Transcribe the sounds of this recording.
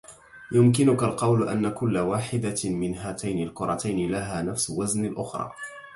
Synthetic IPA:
jʊmk̬ɪnʊkalqɑwlʔa̰nːakʊlːawaːħɪd̪amɪnɦaːt̪ajnɪlkʊɾˤɑt̪ajnɪlaɦaːnafsʊwaznalʔʊxɾˤɑ̰ː

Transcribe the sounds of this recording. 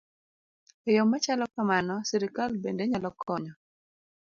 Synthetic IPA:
ɔjomːat͡ʃalɔkamanɔsiɾikalbendeɲalɔkʰɔɲɔ

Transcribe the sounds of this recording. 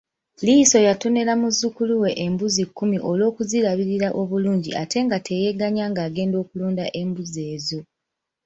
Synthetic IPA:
liso̞jato̞ne̞lamuzukuluwe̞ʔembuzikːumiʔo̞lo̞ːkuziɾaβiɾiɾaʔo̞βuluːɲɟiʔate̞ŋɡatʰe̞je̞ɡaɲaːŋɡaːɡe̞ːndo̞ːkuluːndaʔe̞mbuze̞ːzo̞

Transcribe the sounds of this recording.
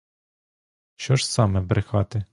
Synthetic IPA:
ʃt͡ʃɔʃsɑmɛbɾɪxɑt̪ɪ

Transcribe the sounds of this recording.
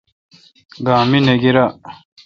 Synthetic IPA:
ɡaːmineɡiɾa

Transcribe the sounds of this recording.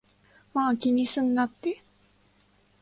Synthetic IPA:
makʲiɲisɨnːat̪ːe

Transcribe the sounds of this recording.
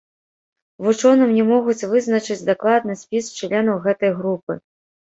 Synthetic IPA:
vut͡ʂɔnɨmnʲɛmɔɣut͡sʲvɨznɐt͡ʂɨt͡sʲd̪aklˠad̪nɨsʲpʲist͡ʂlʲɛnɐwɣɛt̪ɐjɣɾupɨ̰

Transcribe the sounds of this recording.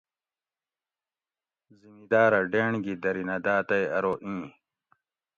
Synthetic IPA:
zimid̪aːɾɐɖeːɳɡid̪ɐɾinɐd̪aːt̪ɐjɐɾoːʔĩː

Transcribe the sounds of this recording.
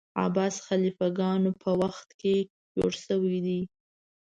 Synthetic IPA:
ɑ̰bɑsxalifaɡɑnopʰəwaxt̪ke | d͡ʒo̰ɽʃəwid̪i

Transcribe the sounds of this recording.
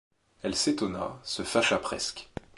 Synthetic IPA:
ɛlset̪ɔna̰səfaʃapχɛ̰sk

